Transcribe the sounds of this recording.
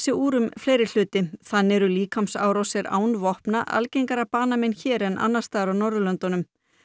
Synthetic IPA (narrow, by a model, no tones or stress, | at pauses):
sɪuːɾʏmfleːjɾɪl̥ʏːt̪ɪθanːɛɾʏliːkʰamsa̰ːwɾɔwsɛɾa̰ːwnvɔhpnaʔa̰lcejŋkaɾapaːnamɛjnçɛːɾɛnʔa̰nːast̪aːðɾawnɔɾðʏlœnt̪ɔnʏm